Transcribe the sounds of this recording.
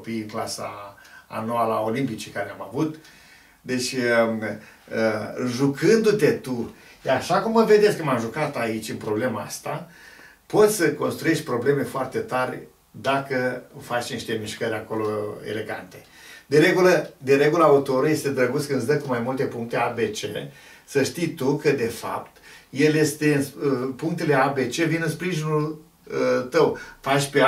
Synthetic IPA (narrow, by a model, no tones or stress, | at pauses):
opiklasa̰ː | noalao̞limpit͡ʃekaɾeamavut̪ | d̪e̞t͡ʃʲ | əʒukʰɨnd̪ut̪e̞t̪ujaaʃakumːəve̞d̪e̞skəmamʒukat̪ait͡ʃʲɨmpɾo̞ble̞maa̰st̪a | po̞t̪ʲsəko̞nst̪ɾuje̞ʃt̪̚ʲpɾo̞ble̞me̞foart̪e̞t̪arʲ | d̪akəfat͡ʃniʃt̪e̞miʃkəɾʲako̞lo̞ḛle̞ɡa̰nt̪e̞ | d̪eɾe̞ɡuləd̪eɾe̞ɡuləaut̪o̞ɾuje̞st̪e̞d̪ɾəɡut̪skɨnsd̪əkumajmult̪e̞puŋk̚t̪e̞abe̞t͡ʃḛ | səʃt̪ijt̪ukəd̪e̞fa̰pt̪je̞lje̞st̪e̞ɨnpuŋk̚t̪e̞le̞abe̞t͡ʃe̞vinɨnspɾiʒinul | t̪əwfat͡ʃpe